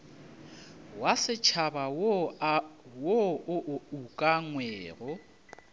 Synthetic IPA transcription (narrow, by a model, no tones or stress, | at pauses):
wasɪt͡ʃʰaba | woʔukʼaŋwɛːrʊ